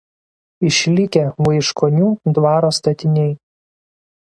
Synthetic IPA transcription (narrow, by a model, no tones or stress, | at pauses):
ɪʃʲlʲɪkʲɛʋɐɪʃkoːnʲuːd̪ʋɑːɾoːst̪ɐt̪ʲɪnʲɛɪ